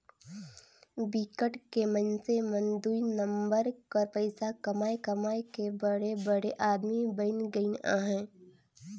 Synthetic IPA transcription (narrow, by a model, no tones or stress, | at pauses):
bikəʈkemənsemə̃nd̪uːinə̃mbəɾkəɾpəɪsakɐmaːekɐmaːekebəɽebəɽeʔaːd̪mibəɪnɡəinã̰ːɦɛ̃ː